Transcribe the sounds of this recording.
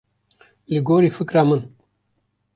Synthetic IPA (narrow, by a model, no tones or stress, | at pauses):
liɡoːɾifikɾaːmɐn